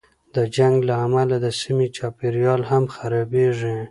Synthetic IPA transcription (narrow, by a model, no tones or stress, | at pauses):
d̪əd͡ʒaŋɡlaːmalad̪əsimit͡ʃɑpeɾjɑlhamxaɾɑbeʐi